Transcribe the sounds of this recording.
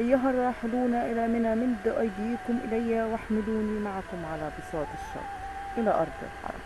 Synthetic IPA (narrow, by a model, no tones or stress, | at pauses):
ʔajːʊɦɑrˤɑːħɪluːnaʔɪlamɪnamɪnd̪ʊʔɑjd̪iːkʊmʔɪlajːawaħmɪluːnimaʕakʊmʕalabɨsˤɑːt̪ˤɑʃːɑ̰ːˤ | ʔɪlaʔɑɾˤd̪ˤɪ̰lħɑ̰ɾˤɑ̰